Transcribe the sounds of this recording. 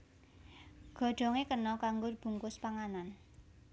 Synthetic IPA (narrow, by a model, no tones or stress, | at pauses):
ɡ̥ɔ̤ɖ̥ɔ̤ŋekənɔkaŋɡʊb̥ṳŋkʊspaŋanan